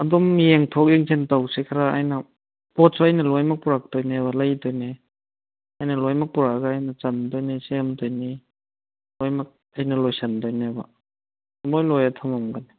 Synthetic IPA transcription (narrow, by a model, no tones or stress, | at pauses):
adɔmjeŋtʰɔk̚eŋsentawsekʰaɾaa̰jna | pɔt̚sɔajnalɔjmak̚puɾak̚tɔjnebalajtɔjne | ajnɐlɔjmak̚puɾaɡaːjnɐt͡ʃandɔjnesemtɔjni | lɔjmak̚ | ajnɐlɔjsandɔjneba̰ | bɔjlɔjatʰamamɡani